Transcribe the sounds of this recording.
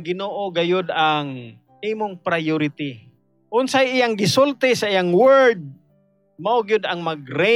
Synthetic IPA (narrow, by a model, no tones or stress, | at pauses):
ɡɪnoːʔoɡajʊd̪aŋ | ʔimʊŋpɾajʊɾɪt̪ɪ | ʔʊnsajɪjaŋɡɪsʊlt̪ɪsaʔijaŋwɛd̪̚ | maʊɡjʊd̪aŋmaɡɾɛ